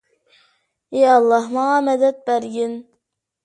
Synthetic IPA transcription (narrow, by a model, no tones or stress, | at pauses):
eɑlˠːɑhmɑʁɑmɛd̪ɛt̪̚bæɾɡʲin